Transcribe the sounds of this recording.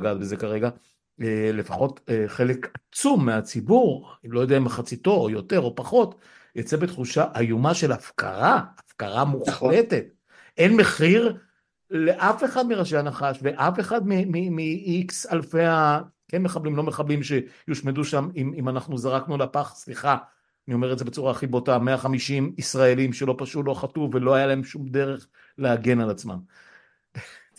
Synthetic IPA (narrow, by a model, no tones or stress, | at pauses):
ɡat̪bezekaʁe̞ɡa | ele̞faχo̞teχe̞lekat͡sumːeat͡sibuʁilo̞jodeaimaχat͡sit̪o̞ojo̞te̞ʁo̞paχo̞t | jot͡sebet̪χuʃaʔajumaʃe̞lafka̰ʁaːfkaʁamuχlete̞t̪̚ | enmeχiʁ | leʔafe̞χad̪miʁaʃeanaχaʃveʔafe̞χad̪mimimiiksalfeakenme̞χablimlo̞me̞χablimʃejuʃmeduʃamimimanaχnuzaʁaknuleapaχsliχa | anio̞meʁetdze̞be̞t͡suʁaːχibo̞tameaχamiʃimisʁaelimʃelo̞paʃulo̞χatuve̞lo̞ajalae̞mʃumde̞ʁe̞χ | leaɡe̞nalat͡sma̰m